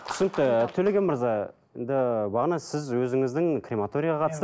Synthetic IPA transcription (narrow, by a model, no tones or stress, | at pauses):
t̪ʰʏ̥sɪnɪk̚t̪ːɪt̪ʰɵleɡʲenməɾzɑ | end̪ɪbɑʁnɑsɪzwɵzɪŋɪzd̪ɪŋkʰrʲemat̪o̞ɾʲijɑʁɑqʰɑt̪əst̪